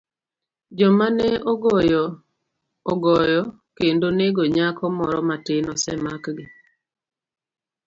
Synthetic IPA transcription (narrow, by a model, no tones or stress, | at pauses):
d͡ʒɔmanɛoɡɔjɔ | ɔɡɔjɔ | kendoneɡoɲakɔmɔɾɔmatɪnɔsɛmakɡɪ